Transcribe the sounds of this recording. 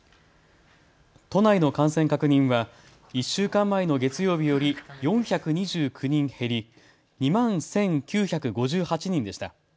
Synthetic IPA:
t̪o̞naino̞kãɰ̃sẽ̞ŋkakɯ̟ɲ̟ĩɰ̃βa | iɕːɨːkãmːaino̞ɡe̞t͡sɨjo̞ːbʲijo̞ɾʲijõ̞ɰ̃çakɯ̟ɲ̟iʑɨːkʰɯ̟ɲ̟ĩɰ̃he̞ɾʲi | ɲ̟imãñsẽ̞ŋkʲɨːçakɯ̟ɡo̞ʑɨːhat͡ɕiɲ̟ĩnd̪e̞ɕi̥t̪a̰

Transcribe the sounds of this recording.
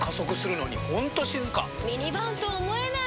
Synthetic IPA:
kaso̞kɯ̟sɨɾɯ̟no̞̰ɲihõ̞nt̪o̞ɕizɨka̰mʲiɲibãt̪oːmoena

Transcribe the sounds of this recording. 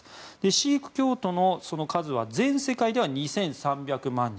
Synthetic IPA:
d̪̥eɕiːkɯ̟̥kʲo̞ːt̪o̞no̞so̞no̞kʰazɨβazẽ̞ɰ̃se̞kaid̪e̞βaɲ̟isẽ̞ɰ̃sãmbʲakɯ̟mãɲːĩ

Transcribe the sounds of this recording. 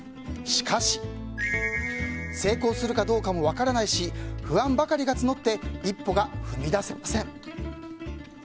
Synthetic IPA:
ɕi̥kʰaɕi̥ | se̞ːko̞ːsɨɾɯ̟kad̪o̞ːkamo̞β̞akaɾanaiɕiɸɯ̟ãmbakaɾʲiɡat͡sɨno̞t̪ːe̞ipːo̞ɡaɸɯ̟mʲid̪asemasẽ̞ɴ

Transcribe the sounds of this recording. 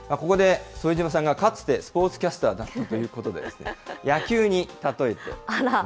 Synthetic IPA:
mako̞ko̞d̪e̞soiʑimas̬ãŋɡakat͡sɨ̥t̪e̞sɨ̥po̞ːt͡sɨ̥kʲasɨ̥t̪aːd̪ãt̪ãt̪o̞jɯ̟ːko̞t̪o̞d̪e̞d̰̪e̞sɨ̥nḛjakʲɨːɲ̟it̪at̪o̞e̞t̪e̞̰

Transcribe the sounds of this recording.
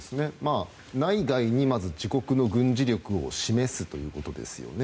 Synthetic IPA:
sɨne̞maː | naiɡaiɲ̟imazɨd͡ʑiko̞kɯ̟no̞ɡɯ̟̃ɲ̟d͡ʑiɾʲjo̞kɯ̟o̞̰ɕime̞sɨt̪o̞jɯ̟ːko̞t̪o̞d̪e̞̰sɨjo̞̰ne

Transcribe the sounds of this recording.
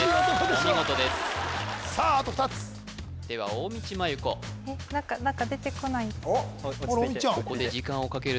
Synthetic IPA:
ɕiɡo̞t̪o̞d̪e̞sɨ̥saːt̪oɸɯ̟̥t̪at͡sɨ̥ | d̪̥e̞β̞a̰oːmʲit͡ɕimajɯ̟ko̞̰ | enãkanãŋkad̪e̞t̪e̞ko̞nai | kɾmĩkoko̞d̪e̞d͡ʑikãɰ̃o̞kake̞ɾɯ

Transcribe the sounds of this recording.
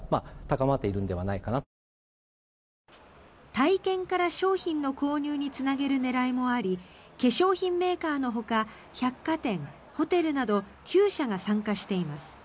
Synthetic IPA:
mat̪akamat̪ːe̞iɾɯ̟̃nd̪e̞βanaikana | t̪aikẽ̞ŋkaɾaɕo̞ːçĩnːo̞ko̞ːɲ̟ɨːɲ̟it͡sɨnaɡe̞ɾɯ̟ne̞ɾaimo̞aɾʲike̞ɕo̞ːçĩmːe̞ːkaːno̞ɦo̞ka | çakːat̪ẽ̞ŋ | ho̞t̪e̞ɾɯ̟nad̪o̞ | kʲɨːɕaɡasãŋkaɕi̥t̪e̞imasɨ̥

